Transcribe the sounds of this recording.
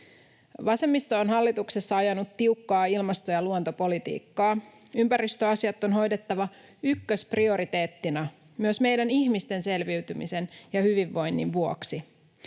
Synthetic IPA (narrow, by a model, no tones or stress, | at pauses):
ʋɑse̞mːist̪oːnɦɑlːit̪uksesːɑɑjɑnut̪ːiukːɑːilmɑst̪o̞jɑluont̪o̞po̞lit̪ḭːkːɑːympæɾist̪øɑsiɑt̪ːo̞nɦo̞jdet̪ːɑʋɑ | ykːøsprio̞ɾit̪e̞ːt̪ːinæ | myøsme̞jdæniçmist̪e̞nse̞lʋiɥt̪ymḭsenjɑhyʋiʋːo̞jnːḭʋʋuo̞ksi